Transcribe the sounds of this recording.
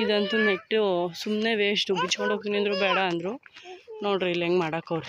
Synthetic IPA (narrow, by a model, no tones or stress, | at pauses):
id̪ɐnt̪uneʈːusumneːʋeːʂʈubit͡ʃːkoɳɖoːk̚t̪iniɐnd̪ɾubɛːɽɐːnd̪ɾunoːɖɾileŋɡmaːɽɐːkɐʋɾu